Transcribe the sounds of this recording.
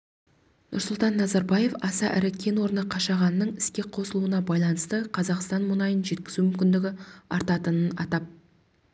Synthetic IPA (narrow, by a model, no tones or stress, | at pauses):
nʔʊ̰ɾsʊlˠt̪ɑnːɑzɑɾbɑje̞fɑsɑʔɪɾɪkʲʰe̞nwo̞ɾənəqʰɑʃɑʁɑnːəɴɪskʲe̞qʰo̞səlˠuənɑbɑjlˠɑnəst̪əqʰɑzɑqst̪ɑnmʊnɑjənʒe̞t̪̚kʲɪzumʏmkʲɪnd̪ɪɡʲɪɑɾt̪ɑt̪ənənɑt̪ɑp̚